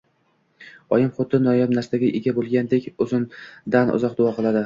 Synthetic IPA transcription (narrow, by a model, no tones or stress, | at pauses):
ɒjɪmχot̪ʰɪnɒjabnaɾst̪aɡʲɪʔeɡʲabolˠɡʲand̪ekʲɵzɪnd̪anʊ̰zɒq̚d̪ʊɒqʰɨlˠad̪ɪ